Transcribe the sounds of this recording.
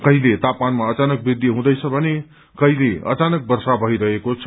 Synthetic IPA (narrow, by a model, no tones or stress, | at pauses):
kʌɦilet̪apmanmaʌt͡sanʌk̚bid̪ʱːiɦũd̪ʌjt͡sʰʌbʱʌne | kʌɦileʌ̰t͡sanʌk̚bʌrsabʱʌɦiɾʌɦekot͡sʰʌ